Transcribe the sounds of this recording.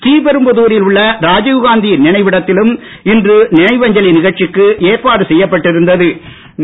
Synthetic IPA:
t̪iːbɛɾɯmbɐðuːɾɪlʊɭːɐɾaːd͡ʒɐʊɣaːnd̪ɪjɪnɪɳɐɪʋɪɽɐt̪ːɪlɯm | ɪndrɯnɪnɐɪʋɐɲd͡ʒɐlinɪɣɐɻt͡ʃɪkːɯʔeːɾpaːðɯsɛjːɐpːɐʈːɪɾɯnd̪ɐðɯ

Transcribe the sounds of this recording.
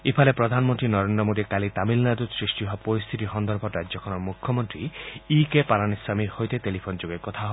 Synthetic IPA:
epʰalepɾɔd̪ʱanmɔnt̪ɾinɔɾend̪ɾɔmod̪ikalit̪amilnad̪usɾiʃʈiɦɔpɔɾist̪ʰit̪iɦɔnd̪ɔɾbʱɔɾaɔkʰɔnɔmukʰːɔmɔnt̪ɾiikepaɾanislamiɾhojt̪et̪elipʰond͡ʒoɡekɔt̪ʰaɦ

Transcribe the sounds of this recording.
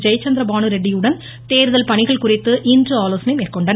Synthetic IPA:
d͡ʒɐjɐt͡ʃːɐnd̪ɾɐbaːɳɯɾɛɖːɪjɯɽɐn | t̪eːɾɯðɐlpɐɳɪɣɐɭkʊrɪt̪ːɯʔɪndrɯaːloːsɐnɐɪmeːrkɔɳɖɐn

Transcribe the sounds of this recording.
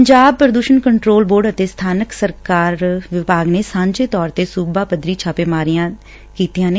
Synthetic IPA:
ɲd͡ʒaːb̚pəɾəd̪uːʃənkəɳʈɾoːlboːɖət̪eːst̪ʰaːnəksəɾkaːɾʋɪbaːɡneːsãːɲd͡ʒeːt̪ɔːɾt̪eːsuːbaːpəd̪ɾiːt͡ʃʰaːpeːmaːɾijãː | kiːt̪ijãːneː

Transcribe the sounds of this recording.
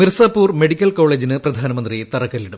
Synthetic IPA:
mirsaːpːuːrmeɽikʲːɐlko̞ːɭeːd͡ʑinɨprɐd̪ʱaːnɐmɐnd̪rit̪ɐrɐkːɐlːiɽum

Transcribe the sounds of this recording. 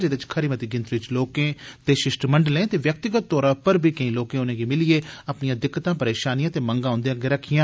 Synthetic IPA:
d͡ʒeːd̪ɪt͡ʃkʰəɾiːmət̪iːɡɪ̃nt̪ɾɪt͡ʃloːkẽːt̪eːʃɪʃʈməɳɖlẽːt̪eːʋjək̚t̪ɪɡət̪̚ːɔːɾãːpəɾbʱiːkəĩːloːkẽːʊnẽːɡiːmɪlieːapnijãːd̪ɪkːt̪ãːpəɾeːʃaːnijãːt̪eːməŋɡãːõːnd̪ejãːɡeɾəkʰɪjãː

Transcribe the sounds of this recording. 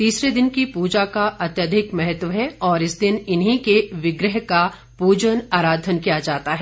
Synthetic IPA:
t̪iːsɾed̪ɪnkipuːd͡ʒakaʔɐt̪jəd̪ʱɪkmɛɦət̪ʋəɦɛɔːɾɪsd̪ɪnɪnɦĩkeʋɪɡɾəɦka | puːd͡ʒənaːɾaːd̪ʱənkijad͡ʒaːt̪aɦɛː

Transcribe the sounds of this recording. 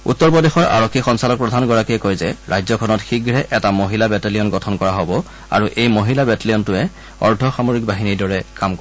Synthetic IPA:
ṵtːɔɹpɔdexɔɹa̰ɹɔkʰːixɔnsalɔk̚pɹɔdʱanɡɔɹakiɛkojzɛɹajzɔkʰɔnɔtxiɡɹɛʔɛtamoɦilabɛtelijɔnɡɔtʰɔnkɔɹaɦobɔ | a̰ɹuʔejmoɦilabɛteliɔntʊɛ | ɔ̰ɹdʱɔxamoɹik̚baɦiniɹdɔɹɛkamk

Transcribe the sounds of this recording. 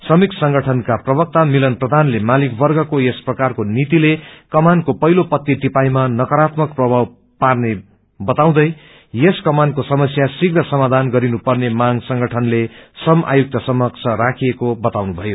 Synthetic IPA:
sʌmiksʌŋɡʱʌʈʰʌnkaprʌbʌk̚t̪amilʌnprʌd̪ʱanlemalikbʌrɡʌkojesprʌkarkonit̪ilekʌmankopʌɦilopʌt̪ːit̪ipajmanʌkʌɾat̪mʌkprʌbʱaw | parne | bʌt̪aw̃d̪ʌj | jeskʌmankosʌmʌsjasiɡnʌsʌmad̪ʱanɡʌɾinupʌrnemaɡsʌŋɡʌʈʰʌnlesʌmʔa̰juk̚t̪ʌsʌmʌk̚t͡sʰʌɾakʰijekobʌt̪awnubʱʌjo

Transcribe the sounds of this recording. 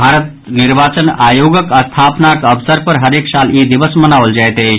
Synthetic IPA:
bʱaːɾət̪ | nɪɾbaːt͡ʃənaːjoːɡəkəst̪ʰaːpnakɐbsəɾpəɾɦɐɾeːksaːljiːd̪ɪʋəsmənaːʋəld͡ʒajt̪ɦe

